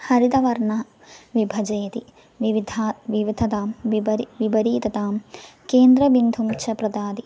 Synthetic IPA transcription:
hɐɾid̪ɐʋɐɾɳɐ | ʋibʱɐd͡ʒɐjɐt̪i | ʋiʋid̪ʱaʋiʋid̪ʱɐt̪aːmɐɾʋibɐɾiːt̪ɐt̪aːmkeːnd̪ɾɐbind̪ʱumt͡ʃʰɐpɾɐd̪aːd̪i

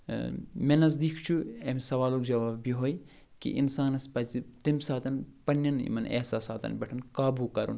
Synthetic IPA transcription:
menɐz̬d̪ikʰt͡ʃʰuemsɐʋaːlõkd͡ʒɐʋaːbbiɦoːj | kḭʔḭnsaːnɐspɐt͡ʃit̪ɐmsaːt̪ɐnpɐnːɐnḭmɐnḛːsaːsaːt̪ɐ̰nbʲɐʈʰɐnkaːbuːkɐɾṵn

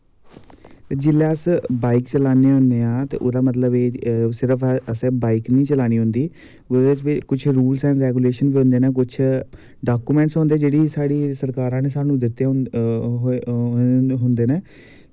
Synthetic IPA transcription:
t̪eːd͡ʒɪlːeəsbaːikt͡ʃəlaːneːɦʊ̃nd̪eːãːt̪ḛːʔʊd̪aːmət̪ləbeːsɪɾəpʰəsɛːbaːiknĩːt͡ʃəlaːniːɦʊnd̪iː | ʊdeɪt͡ʃbikʊt͡ʃʰɾuːlsɛ̃ːɾɛːkuːleːʃənbiːɦõːnd̪eːneːk̬ʊt͡ʃʰ | ɖaːkuːmɛ̃ːɳʈsɦõːnd̪eːd͡ʒeːɽiːsaːɽiːsəɾkaːɾãːneːsaːnũːd̪ɪt̪ːe | ɦ | ɦʊnd̪eːneː

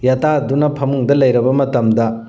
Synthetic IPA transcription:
jatadunɐpʰɐmuŋdɐlɐjɾɐbɐmɐtɐmdɐ

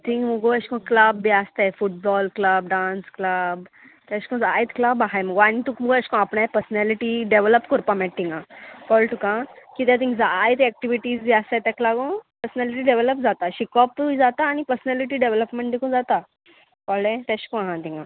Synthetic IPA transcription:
t̪ʰĩŋməɡoəɕkɔ̃klabːiast̪efuʈ̚bɔlkləb̚ɖãnskləb | t̪aɕi̥kɔ̃d͡zajt̪klabaɦajməɡoañit̪ukməɡoəɕkɔ̃apɳajpəɾsnaliʈiɖeʋləpkɔɾpamɛʈ̚ʈ̪ːiŋɡãkɔlʈukãkit̪jat̪̬ĩŋɡd͡zajt̪ɛk̚ʈiʋiʈiːd͡zd͡ʑiast̪at̪aklaɡõpəɾsnɛliʈiːɖeʋeləpd͡zat̪aɕikɔp̚t̪uid͡zat̪aːñipəɾsnɛliʈiːɖeʋləpmẽɳʈd̪ikũd͡zat̪a | kɔlɛ̃t̪aɕkɔ̃ɦãt̪iŋɡã

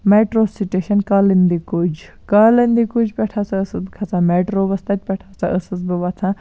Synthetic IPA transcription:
meːʈɾosiʈeʃɐnkaːlind̪ikud͡ʒ | kalənd̪ikud͡ʒpɛʈʰat͡saəsɨd̪kʰɐt͡sãːmeːʈɾoːʋɐst̪ɐt̪̚ʲpʲɛʈʰat͡saʔəsɨsbɨʋɐt͡s̪ʰã

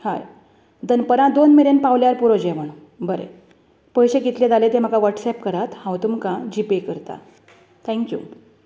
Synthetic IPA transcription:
ha̰j | d̪ənpəɾãd̪onmiɾenpaʋljaɾpuɾod͡ʑeʋəɳ | bəɾḛ | pəjɕeɡit̪ljed̪alet̪em̤əɡaʋəʈsɛpkəɾat̪hãwt̪umkãd͡ʑipekəɾt̪a̰ | t̪ʰɛ̃ŋkjṵ

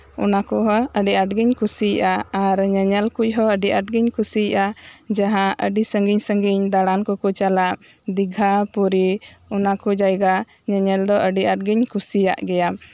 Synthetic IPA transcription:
ɔ̰nakɔɦɔəɖiaʈ̚ɡiɲkusiʔaaɾɲɛɲɛlkuc̚ˀɦɔəɖiʔaʈ̚ɡiɲkusiʔad͡ʒaɦãʔəɖisəŋɡiɲsəŋɡiɲd̪aɽankɔkɔt͡ʃalaʔ̚ | d̪iɡʱapuɾiɔnakɔd͡ʒajɡa | ɲɛɲɛld̪ɔʔəɖiʔaʈ̚ɡiɲkʰusija̰ʔɡɛja

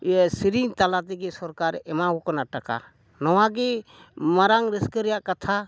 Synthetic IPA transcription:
siɾiŋt̪alat̪̬iɡesɔɾkaɾɛmakukɔnaʈəka̰ | nɔwaɡe | məɾaŋɾiskəɾjaʔkət̪ʰa

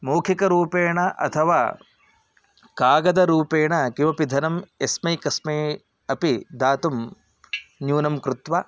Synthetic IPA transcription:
moːkʰikɐɾuːpeːɳɐʔɐ̰t̪ʰɐʋa̰ː | kaːɡɐd̪ɐɾuːpeːɳɐkiʋɐpid̪ʱɐnɐmesmɐjkɐsmɐj | ɐpid̪aːt̪um | njuːnɐmkɾut̪ʋa

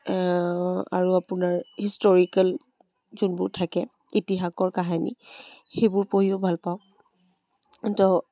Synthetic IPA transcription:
a̰ɹuapunaɹhistɔɹikal | zunbʊɹtʰakɛ | itiɦakɔɹkaɦanḭxejbʊɹpoɦiobʱalpaʊ | tɔ

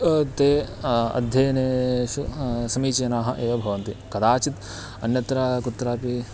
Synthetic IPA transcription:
t̪eːɐ̰d̪ʱjɐːneːʃusɐmiːt͡ʃeːnaːɦɐ̆ʔeːʋɐbʱɐʋɐnt̪ikɐd̪aːt͡ʃit̪ | ɐnjɐt̪ɾakut̪ːɾaːpi

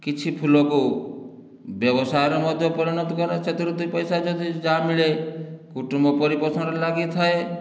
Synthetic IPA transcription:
kit͡ʃʰipʰulɔku | bjɔbɔsajɾɔmɔd̪ʱjɔpɔɾinɔt̪ɔkɔɾeset̪iɾut̪ipɔjsad͡ʒɔd̪id͡ʒamiɭekuʈumbɔpɔɾipɔsɔnɔɾelaɡit̪ʰae

